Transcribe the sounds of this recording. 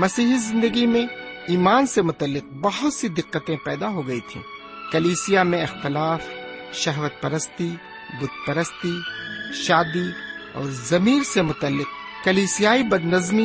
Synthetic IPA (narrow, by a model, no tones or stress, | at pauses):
mɐsiːɦizɪ̃nd̪əɡimẽiːmaːnsemʊt̪əlːɪq̚bɐɦʊt̪sid̪ɪqːət̪ẽpɛːd̪aɦoɡɐit̪ʰḭ̃ː | kɐliːsɪjamẽɪxt̪ɪlaːfʃɐɦʋət̪̚pɐɾəst̪i | bʊd̪̚pɐɾəst̪iʃaːd̪iɔ̰ːɾzɐmiːɾsemʊt̪əlːɪq̚ | kɐliːsijaːibɐd̪nɐzmi